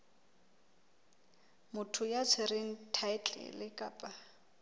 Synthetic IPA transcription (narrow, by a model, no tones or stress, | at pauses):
mʊtʰʊjat͡sʰɪɾeŋ̩tʰaɪt͡ɬʼɪ̰lɪkʼa̰ːpʼa